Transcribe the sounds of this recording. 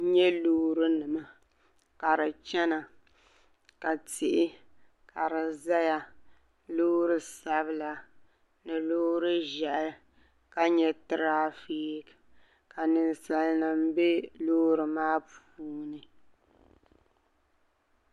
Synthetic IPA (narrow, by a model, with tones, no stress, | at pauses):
ɲɛ˦loː˦ɾɨ˦nɨ˨ma˨ | ka˨ɾɨ˨t͡ʃɛ˦na˨ | ka˨tɪ˨ʔɪ˦ | kʰa˨ɾɨ˨za˦ja˨ | loː˦ɾɨ˦sa˨˦βɨ˦la˨ | nɨ˨loː˦ɾɨ˦ʒɛ˨ʔɪ˦ | ka˦ɲɛ˦tɾaː˦fiː˦k | ka˨nɨ˨nsa˨lnɨ˨m̩˦bɛ˦loː˦ɾɨ˨maː˦p | uː˦nɨ˨